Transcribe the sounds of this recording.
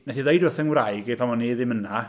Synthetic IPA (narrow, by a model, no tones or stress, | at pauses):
nɛθiðejdɔθənwrajɡɪpʰamɔnːiðɪməna